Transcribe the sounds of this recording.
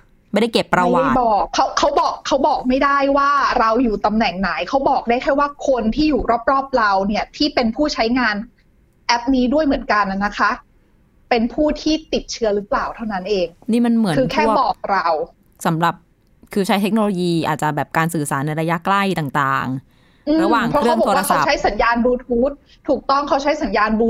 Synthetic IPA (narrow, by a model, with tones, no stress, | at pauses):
ma˥˩jda˥˩jke˨˩pːɾa˧wa˧˨˩bɔː˨˩kʰːa˦˥wʰːa˦˥wbɔː˨˩kʰːa˦˥wbɔː˨˩k̚ma˥˩jda˥˩jwaː˥˩ɾa˧wjuː˨˩t̪a˧mnɛ˨˩ŋna˩˦jkʰa˦˥wbɔː˨˩k̚daː˥˩jkʰaː˥˩waː˥˩kʰo˧nt̪ʰiː˥˩juː˨˩ɾɔː˥˩p̚ɾɔː˥˩p̚ɾa˧wni˥˩ɐt̪ʰiː˥˩pe˧npʰuː˥˩t͡ɕʰa˦˥jŋaː˧n | ʔɛ˦˥p̚niː˦˥du˥˩əjmɯ˩˦ənka˧na˨˩na˦˥kʰa˦˥ʔ | pe˧npʰuː˥˩t̪ʰiː˥˩t̪i˨˩t̪̚t͡ɕʰɯ˦˥ɐɾɯ˦˥plaː˨˩wt̪ʰa˥˩wna˦˥nʔeː˧ŋniː˥˩ma˧nmɯ˩˦kʰɯː˧kʰɛː˥˩bɔː˨˩k̚ɾa˧w | sa˩˦mɾa˨˩p̚ | kʰɯː˧t͡ɕʰa˦˥jt̪ʰe˦˥k̚noː˧loː˧jiː˧ʔaː˨˩t̪̚t͡ɕa˨˩bɛː˨˩p̚kaː˧nsɯː˨˩saː˩˦nːa˧jɾa˧ja˦˥kla˥˩jt̪aː˨˩ŋt̪a̰ː˨˩ŋ | ʔɯː˧ɾa˧waː˨˩ŋʰɾɔ˦˥ɾɯ˥aə˥wŋbo˨˩oː˧˩ɾa˧˥˩a˥˨˩t͡ɕʰa˦˥jsa˩˦njaː˧nbuː˧t̪ʰuː˦˥t̪̚ʰːuː˨˩k̚t̪ɔ˥˩ŋkʰa˦˥wt͡ɕʰa˦˥jsa˩˦njaː˧nbuː˧